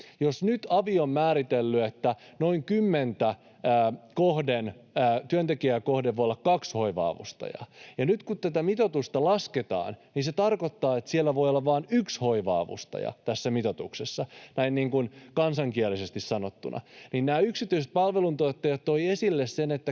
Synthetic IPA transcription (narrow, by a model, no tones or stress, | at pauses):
josnyt̪ɑʋiommæːɾit̪elːyet̪ːæ | no̞iŋkymːent̪æː | kohdenːt̪yønt̪ekiækohdeʋojolːɑkkɑksho̞iʋɑ̰ːʋṵst̪ɑ̰jɑ̰jɑnyt̪kut̪t̪æt̪æmit̪ot̪ust̪ɑlɑsket̪ɑ̰ːnniːnset̪ɑrkot̪ːɑːet̪sielːæʋo̞jolːɑʋʋɑːnykshoiʋɑ̰ːʋṵst̪ɑ̰jɑ̰t̪æsːæmit̪ot̪uksesːɑnæinniːŋkunkɑnsɑŋkiɛlisest̪issɑnot̪ːunʔɑ̰ninnæːyksit̪ːˑyiset̪̚pɑlʋelunt̪ot̪ːejɑt̪t̪oiesilːessenet̪ːæ